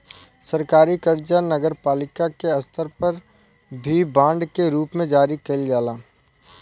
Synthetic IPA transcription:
sɐɾkaːɾikəɾd͡ʒanɐɡəɾpaːlɪkakeɐst̪ʰəɾpɐɾ | bʱibãːɳɖkeɾuːpmẽd͡ʒaːɾikɐld͡ʒaːlaː

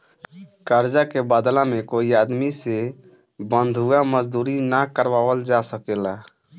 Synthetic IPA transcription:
kəɾd͡ʒakebad̪lamẽkoiaːd̪mise | bə̃nd̪ʱuaməd͡ʒd̪uːɾinakəɾwaːwəld͡ʒasəkela

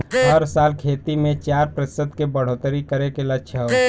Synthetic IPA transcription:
ɦəɾsalkʰeːt̪imẽt͡ʃaɾpɾəsɪd̪kebəɽ̤ot̪əɾikəɾekelətːʃʰəɦo

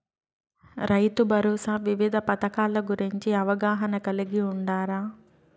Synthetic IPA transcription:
ɾɐjt̪ubʱɐɾɔːsaːʋiʋid̪ʱɐpɐt̪ɐkaːlɐɡuɾiɲt͡ʃiɐʋɐɡaːɦɐnɐkɐliɡiuɳɖaːɾaː

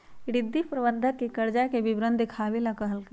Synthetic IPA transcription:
ɖɪd̪ːipɾɐbənd̪ʱəkːekɐɾd͡ʒakebɪbɾənd̪ʱikʰaːʋilakɐɦəlkɐ

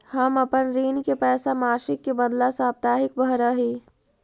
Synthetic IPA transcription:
hɐmɐpənɾiːnkepɛːsamaːʃɪkːebɐd̪lasaːp̚t̪aːɦɪkbʱɐɾəɦiː

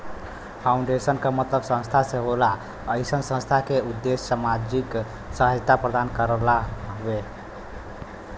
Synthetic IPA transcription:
pʰaʊɳɖesənkamət̪ləbsə̃nst̪ʰasẽɦola | əjsənsə̃nst̪ʰakeud̪ːesːamad͡ʒik | səɦəd͡ʒt̪apɾəd̪ankəɾəlaɦbe

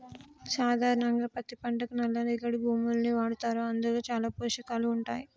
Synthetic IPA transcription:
saːd̪ʱaːɾɐɳɐŋɡaːpɐt̪ːipɐɳʈɐkunɐlːɐniɡɐɽibʱuːmulɐniːʋaːɽut̪aːɾuɐnd̪uloːt͡ʃaːlaːpuːʃɐkaːluːɳʈaːji

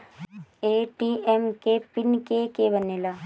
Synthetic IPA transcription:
eʈiemkepinkeːkeːbɐnːela

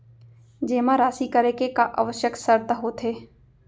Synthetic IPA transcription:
d͡ʒeːmãɾaːsikəɾeːkekaʔə̰ʋəʃjəksəɾt̪aɦoːt̪ʰeː

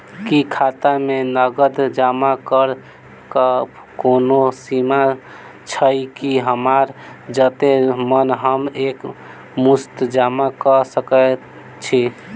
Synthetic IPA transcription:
kikʰat̪amenəɡəd̪d͡ʒamakəɾ | kə | konosima | t͡ʃʰəjkiɦəmaɾd͡ʒət̪emənɦəmek | must̪d͡ʒamakəsəkə | t͡ʃʰi

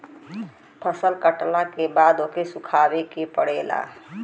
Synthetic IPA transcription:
pʰəsəlkəʈlakebaːd̪oːkesʊkʰaːwekepəɽeːla̰ː

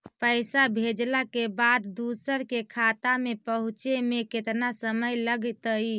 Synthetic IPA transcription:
pəɪsabʱed͡ʒlakebad̪d̪usəɾkekʰat̪amepəɦũt͡ʃemeket̪nasəməjləɡt̪əi

